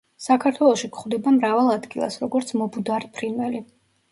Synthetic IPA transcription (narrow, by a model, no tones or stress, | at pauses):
sakʰaɾt̪ʰwɛlˠɔʃikʰχd̪ɛbamɾavalˠad̪ɡilˠa̰sɾɔɡɔɾt̪sʰmɔbud̪aɾpʰɾinvɛli